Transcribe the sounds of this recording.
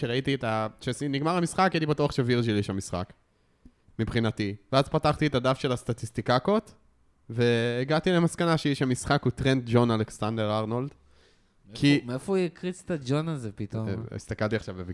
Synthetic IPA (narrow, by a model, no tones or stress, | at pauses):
ʃeʁait̪ietaʃesiniɡmaʁamisχakjɛlibatuaχʃeviʁʒiliʃamisχa̰k | mipχinativeazpataχt̪ietadafʃe̞last̪at̪ist̪ikakot̪ | ve̞ːɡatile̞maskanaʃeiʃamisχakut̪ʁent̪̚d͡ʒo̞naleksand̪eʁaʁnold̪ | kimefojekʁit͡st̪ad͡ʒonazepit̪o̰ḭst̪akalt̪iaχʃavbev